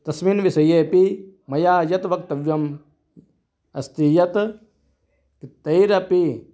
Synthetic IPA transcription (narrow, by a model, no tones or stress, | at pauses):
t̪ɐsmiːnʋisɐjeːpimɐjaːjɐt̪ʋɐk̚t̪ɐʋjɐm | ɐ̰st̪ijɐt̪ | kit̪ːɐjɾɐpi